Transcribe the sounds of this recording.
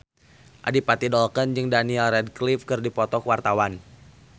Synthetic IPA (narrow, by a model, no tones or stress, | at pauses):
ʔa̰dipat̪idɔlkənd͡ʒɨŋdaniɛlrɛd̚klifkɨrdipɔt̪ɔkwart̪awan